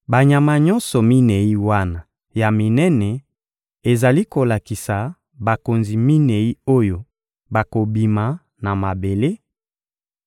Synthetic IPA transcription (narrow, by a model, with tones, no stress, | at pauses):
ba˨ɲa˨ma˨ɲɔ˦nsɔ˨mi˦nɛ˨i˦wa˦na˨ | ja˨mi˨nɛ˦nɛ˨ | e˨za˨li˦ko˨la˨ki˨sa˨ | ba˨ko˨nzi˨mi˦nɛ˨i˦o˦jo˨ | ba˨ko˨bi˨ma˨˦ | na˨ma˨be˨le˦